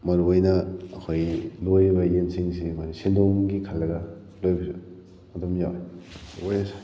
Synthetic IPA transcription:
mɐɾuɐjnɐːkʰojlojβɐjensiŋsimaɾisindoŋɡikʰɐlːɐɡɐ | lojbizu | mɐtomjawewajasa

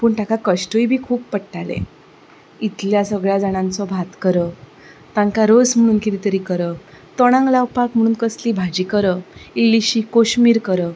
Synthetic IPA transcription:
puːɳʈakakəɕʈujbʱiːkʰuːbpəɽʈalḛ | it̪ljasəɡɭjad͡zaɽ̃ãnt͡sɔbʱat̪kəɾə | t̪ãŋkaɾod͡zm̤əɽ̃uːnkit̪it̪əɾiːkəɾət̪ɔɽ̃ãŋɡlawpakm̤əɽ̃uːnkəsliːbʱad͡ʑiːkəɾəilːiɕikoɕmiːɾkəɾə

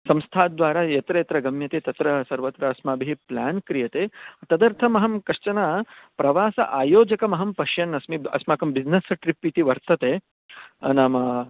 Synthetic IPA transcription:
sɐmst̪ʰaːd̪ʋaːɾaːjɐt̪ɾɐjɐt̪ɾɐɡɐmjɐt̪eːt̪ɐt̪ɾɐsɐɾʋɐt̪ɾɐːsmɐːbʱiɦiplaːnkɾijɐt̪eːɐt̪ɐd̪ɐɾt̪ʰɐmɐɦɐmkɐʂt͡ʃɐnaːpɾɐʋaːsɐ̰ʔaːjoːd͡ʒɐkɐmɐɦɐmpɐʃjɐnɐsmiɐ̰smaːkɐmbid͡ʒnɐsʈɾipːit̪iʋɐɾt̪ɐt̪eː | naːmɐ

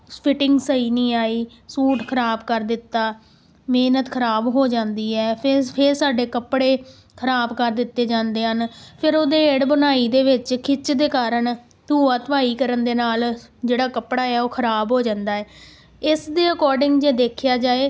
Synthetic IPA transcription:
pʰɪʈɪŋɡsəiːnĩːaːiː | suːʈkʰəɾaːbkəɾd̪ɪt̪ːaː | meːnət̪kʰəɾaːbɦoːd͡ʒãːnd̪iːɛːpʰpʰɪɾsaːɖeːkəpːɽeː | kʰəɾaːbkəɾd̪ɪt̪ːeːd͡ʒãːnd̪eːɦənpʰɪɾoːd̪eːeːɖbənaːiːd̪eːʋɪt͡ʃkʰɪt͡ʃd̪eːkaːɾəɳ | d̪uːaːt̪əʋaːiːkəɾənd̪eːnaːld͡ʒeːɽaːkəpɽaːɛːoːkʰəɾaːbɦoːd͡ʒãːnd̪aːɛː | ɪsd̪eːəkɔːɾɖɪŋɡd͡ʒeːd̪eːkʰjaːd͡ʒaːeː

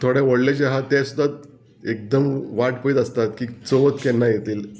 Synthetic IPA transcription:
t̪ʰoɽeʋəɽlet͡ɕeɦat̪ɛ̃sud̪ʱːat̪̚ | ek̚d̪əmʋaʈpəit̪əst̪at̪kiːt͡soʋət̪kɛnːajet̪iːl

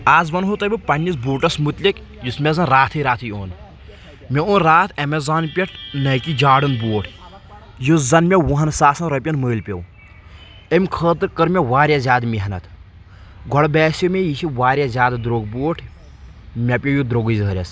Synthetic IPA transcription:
aːzʋɐnɦot̪ɐbʲipɐnʲːisbuːʈɐsmut̪lʲik | jusmʲɛzɐnɾaːt̪ʰɨɾaːt̪ʰɨjoːn | mʲɛoːnɾaːt̪ʰɐmɛzaːnpʲɐʈʰnɐjkid͡ʒaːɽɨnbuːʈʰ | juszɐnmʲɛwuɦɐnsaːsɐnɾɐpʲɐnməːlpʲew | emʲkʰəːt̪ɨɾkəɾmʲɛʋaːɾʲjazʲjaːd̪mʲiɦɐnɐt̪ʰ | ɡʱɔɽbɛːsimʲejit͡ʃʰiʋaːɾʲjazʲaːd̪d̪ɾoːɡbuːʈʰ | mʲɐpʲojud̪ɾoɡɨzʲɦəɾʲɐs

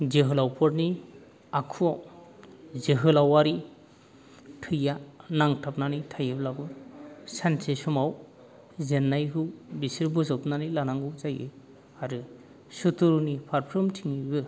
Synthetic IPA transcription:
zeɦɯlawpʰɔɾni | akʰuaw | zeɦɯlawaɾi | tʰɯjanaŋtʰap̚nanitʰajɯblaɡɯsansesɔmaw | zenːajɦɯwbisiɾbɔzɔpnanilanaŋɡɯwzajɯ | aɾɯ | sutuɾunipʰaɾpʰɾɯmtʰiŋibɯ

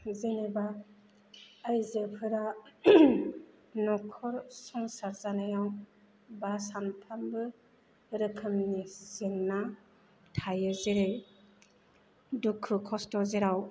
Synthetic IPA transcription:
zeneba | jzepʰɯɾa | nɔkʰɔɾsɔŋsaɾzanajaw | basanpʰambɯ | ɾɯkʰɯmnizeŋna | tʰajɯzeɾe | dukʰːɯkʰɔstɔzeɾaw

